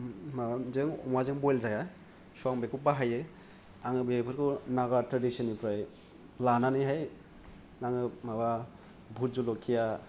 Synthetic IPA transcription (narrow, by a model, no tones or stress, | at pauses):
mazeŋɔ̰mazɯŋbojlzaja | suaŋbekubaɦajɯ | aŋɯbepʰɯɾkunaɡatɾadisɯnipɾaj | lananiɦaj | naŋɯmaba | bʱut̚zulokʰija